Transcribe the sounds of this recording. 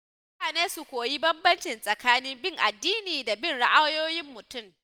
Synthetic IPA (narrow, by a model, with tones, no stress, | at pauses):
taː˨neː˦su˨kʷoː˨ji˦bɐ˦mbɐ˦nt͡ʃɪ˨nsʼɐ˨kaː˦niː˦mbɪ˦ŋʔa˨dːiː˦niː˨da˨bɪ˦nɽa˦ʔa˦wjoː˦jɪ˦mːʊ˨tʊ˦˨m